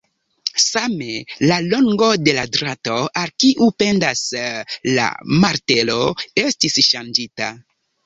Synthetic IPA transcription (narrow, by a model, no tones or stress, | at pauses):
same̞lalo̞ŋɡo̞de̞ladɾato̞ʔalkiʔupe̞ndasla̰maɾte̞lo̞e̞stisʃand͡ʒita̰